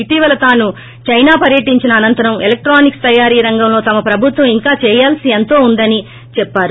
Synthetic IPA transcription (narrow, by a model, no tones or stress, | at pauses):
iʈiːʋɐlɐt̪aːnu | t͡ʃɐjnaːpɐɾjɐʈiɲt͡ʃinɐːnɐnt̪ɐɾɐmelek̚ʈɾaːnikst̪ɐjaːɾiːɾɐŋɡɐmlo̞ːt̪ɐmɐpɾɐbʱut̪ʋɐ̃miŋkaːt͡ʃɛːjaːlsient̪o̞ːund̪ɐni | t͡ʃɛpːaːɾu